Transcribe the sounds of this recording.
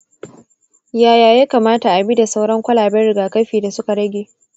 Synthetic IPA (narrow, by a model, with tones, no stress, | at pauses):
jaː˦jaː˨jaː˦kaː˨maː˦ta˨ʔa˨bi˦da˨sa˦wɽɐ˦ŋkʷɐ˦laː˨bɛ˦ɽɪ˨ɡaː˨kɐ˦ɸiː˨da˨sʊ˦ka˨ɽɐ˦ɡʲeː˨